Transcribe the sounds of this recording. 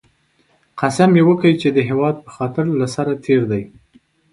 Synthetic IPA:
qasamjewəkəit͡ʃed̪əɦewɑd̪̚pə̥xɑt̪ɪɾlasaɾat̪ʰeɾd̪aj

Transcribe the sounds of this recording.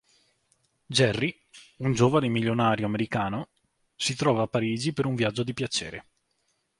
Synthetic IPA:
d͡ʒɛrːi | und͡ʒoːvanemilːonaːɾjoameɾikaːno | sit̪ɾɔːvaːpːaɾiːd͡ʒipeɾuɱvjad͡ʒːod̪ipjat͡ʃḛːɾe

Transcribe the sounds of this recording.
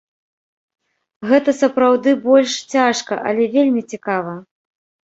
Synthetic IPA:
ɣɛt̪ɐsɐpɾawd̪ɨbɔlʲʂt͡sʲaʂkɐ̰ʔɐ̰lʲɛvʲelʲmʲit͡sʲikavɐ

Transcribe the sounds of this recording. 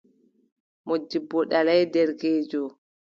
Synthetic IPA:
mod͡ʒːibːɔɗalajdɛɾɡeːd͡ʒɔ

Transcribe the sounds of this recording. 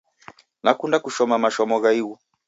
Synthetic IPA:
nakundakuʃɔmamaʃɔmɔɣaiɣɔ

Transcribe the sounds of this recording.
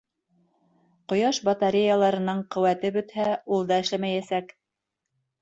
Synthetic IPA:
qŏjɑʃbɑt̪ɑɾʲejalˠɑɾɤ̆nɤɴqɵ̆wæt̪ɘbɵ̆t̪hæulˠd̪ɑɘ̆ʃlæmæjæsæk

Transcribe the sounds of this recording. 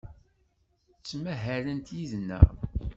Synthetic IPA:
t͡sːmæɦæɾənt̪jiðnːæ̰ʁ

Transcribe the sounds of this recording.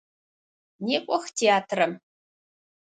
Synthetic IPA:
neːkʷʼɔxtʰeaːtʰrɐm

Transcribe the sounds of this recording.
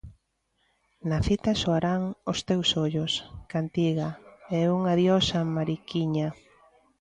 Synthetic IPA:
nɐθit̪ɐsoaɾaŋost̪ewsoʎoskant̪iɣaɛuŋaðjɔsamaɾikiɲa

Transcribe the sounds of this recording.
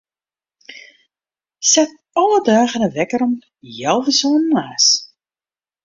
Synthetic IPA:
sɛt̚ | ɔlədœːχənəʋɛkəɾɔm | jɛlˠvəsoːnnaːs

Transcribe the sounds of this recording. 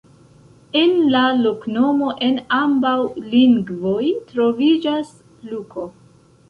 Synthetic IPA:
enlalokno̞mo̞ʔe̞nambawliŋɡvo̞jtɾo̞vid͡ʒas | lukʰo̞

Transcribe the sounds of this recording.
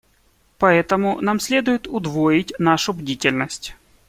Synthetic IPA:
pɐɛt̪əmʊnamsʲlʲe̞d̪ʊjɪt̪ʊd̪voɪtʲnaʂʊbdʲitʲɪlʲnəsʲtʲ

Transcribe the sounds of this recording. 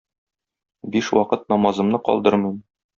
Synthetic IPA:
biʃwɒqɤt̪̚nɒmɑzɤ̆mnɤqɒ̰lˠd̪ɤɾmim

